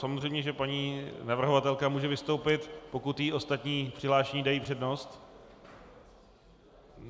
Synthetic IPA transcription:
samozr̝ejmɲɛʒɛpaɲiːnavr̩ɦovat̪ɛlkamuːʒɛvɪst̪o̞wpɪt̪po̞kut̪jiʔo̞st̪at̪ɲiːpr̥ɪɦlaːʃɛɲiːdajiːpr̝̥ɛdno̞st̪

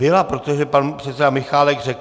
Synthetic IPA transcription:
ɪlapɾot̪oʒɛpanpr̥ɛt̪sɛdamɪxaːlɛɡr̝ɛk

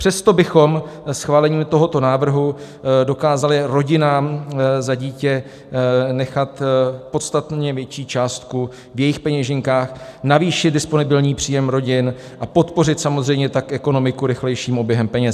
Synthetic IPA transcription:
pr̝̥ɛst̪o̞bɪxo̞msxvaːlɛɲiːmt̪o̞ɦo̞t̪o̞naːvr̩ɦu | do̞kaːzalɪɾo̞ɟɪnaːmzaɟiːcɛ | nɛxat̪po̞t̪st̪at̪ɲɛvjɛt͡ʃiːt͡ʃaːst̪ku | vjɛjɪxpɛɲɛʒɪŋkaːxnaviːʃɪt̪dɪspo̞nɪbɪlɲiːpr̝̥iːjɛmɾo̞ɟɪn | ʔapo̞t̪po̞rɪt̪samozrɛjmɲɛt̪akʔɛko̞no̞mɪkuɾɪxlɛjʃiːmʔo̞bjɛɦɛmpɛɲɛs

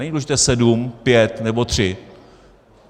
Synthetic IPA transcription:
ɛɲid̪ulɛʒɪt̪ɛːsɛdumpjɛt̪nɛbo̞t̪r̝̥ɪ

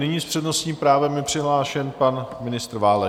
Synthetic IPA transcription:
nɪɲiːspr̥ɛdnosɲiːmpɾaːvɛmjɪpr̥ɪɦlaːʃɛnpanmɪnɪst̪ɾvaːlɛ

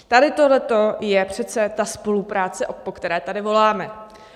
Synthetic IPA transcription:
t̪adɪt̪oɦlɛt̪o̞jɛpr̝̥ɛt͡sɛt̪aspo̞lupɾaːt͡sɛʔopo̞kt̪ɛɾɛːt̪adɪvo̞laːmɛ

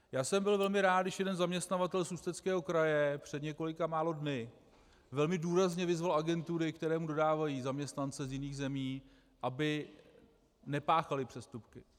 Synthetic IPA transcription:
jaːsɛmbɪlvɛlmɪɾaːt̪dɪʃjɛdɛnzamɲɛst̪navat̪ɛlsust̪ɛt͡skɛːɦo̞kɾajɛpr̝̥ɛdɲɛko̞lɪkamaːlo̞dnɪ | vɛlmɪduːɾazɲɛvɪzvalʔaɡɛnt̪uɾɪkt̪ɛɾɛːmudo̞daːvajizamɲɛst̪nant͡sɛzjɪniːɣzɛmiː | ʔabɪ | nɛpaːxalɪpr̥ɛst̪upkɪ

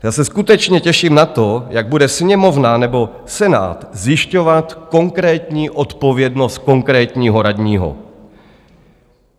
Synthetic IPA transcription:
jaːsɛskut̪ɛt͡ʃɲɛcɛʃiːmnat̪o̞jaɡ̚budɛsɲɛmo̞vnanɛbo̞ | sɛna̰ːt̪zjɪʃco̞vat̪ko̞ŋkɾɛːt̪ɲiːʔo̞t̪po̞vjɛdno̞st̪̚ko̞ŋkɾɛːt̪ɲiːɦo̞ɾad̪ɲiːɦo̰

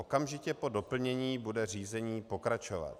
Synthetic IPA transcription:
okamʒɪcɛpo̞do̞pl̩ɲɛɲiːbudɛriːzɛɲiːpo̞kɾat͡ʃova̰t̪

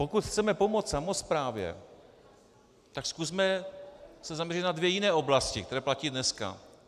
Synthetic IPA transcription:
po̞kut̪xt͡sɛmɛpomo̞t͡ssamo̞spɾaːvjɛ̰ | t̪akskusmɛ | sɛzamɲɛrɪt̪̚nadvjɛjɪnɛːʔo̞blascɪkt̪ɛɾɛːplaciːdnɛska̰

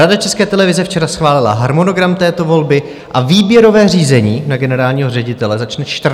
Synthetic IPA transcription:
adat͡ʃɛskɛːt̪ɛlɛvɪzɛft͡ʃɛɾasxvaːlɪla̰ɦaɾmo̞no̞ɡɾamt̪ɛːt̪o̞vo̞lbɪ | ʔaviːbjɛɾo̞vɛːriːzɛɲiːnaɡɛnɛɾaːlɲiːɦo̞rɛɟɪt̪ɛlɛzat͡ʃnɛt͡ʃt̪r

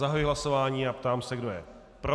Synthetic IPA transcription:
aɦajiɦlaso̞vaːɲiːapt̪aːmsɛɡdo̞jɛ̰ | pɾo

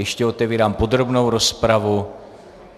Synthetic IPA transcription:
jɛʃcɛo̞t̪ɛviːɾaːmpo̞d̪ɾo̞bno̞wɾo̞spɾavu

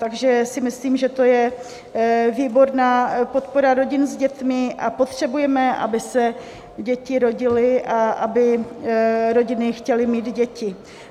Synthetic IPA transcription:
t̪aɡʒɛsɪmɪsliːmʒɛt̪o̞jɛ | viːbo̞ɾnaːpo̞t̪po̞ɾaɾo̞ɟɪnzɟɛt̪mɪʔapo̞t̪r̝̥ɛbujɛmɛʔa̰bɪsɛ | ɟɛcɪɾo̞ɟɪlɪʔaʔabɪ | ɾo̞ɟɪnɪxcɛlɪmiːd̪ɟɛcɪ

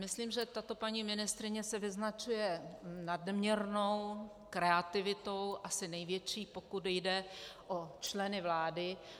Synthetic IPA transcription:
mɪsliːmʒɛt̪at̪o̞paɲiːmɪnɪst̪ɾɪɲɛsɛvɪznat͡ʃujɛnadmɲɛɾno̞w | kɾɛat̪ɪvɪt̪o̞wʔasɪnɛjvjɛt͡ʃiːpo̞kutjdɛʔot͡ʃlɛnɪvlaːdɪ

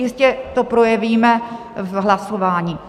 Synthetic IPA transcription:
jɪscɛt̪opɾo̞jɛviːmɛ | ɦlaso̞vaːɲiː

